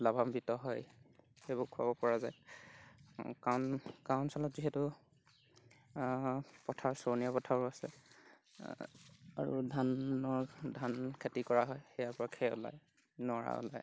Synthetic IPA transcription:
labʱambitɔɦɔj | xebʊkʰʊa̰bɔpɔɹazaj | kawnkaʊnsɔlɔtziɦɛtʊ | pɔtʰaɹsɔnijapɔtʰaɹʊasɛ̰ | a̰ɹṵdʱanɔɹdʱankʰetikɔɹaɦɔjxɛjaɹpɔɹakʰɛʊ̰la̰j | nɔɹa̰ʊ̰la̰j

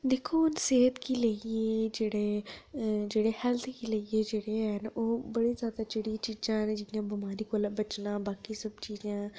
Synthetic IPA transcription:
d̪eːkʰoːʊnseːɦət̪kiːləieːd͡ʒeːɽeː | d͡ʒeːɽeːhɛlt̪ʰkiləieːd͡ʒeːɽeːɦənoːbəɽiːzjaːd̪aːd͡ʒɪɽiːt͡ʃiːd͡ʒãːnd͡ʒɪjãːbɪmaːɾiːkoːlbət͡ʃnãːbaːkiːsəbt͡ʃiːd͡ʒãː

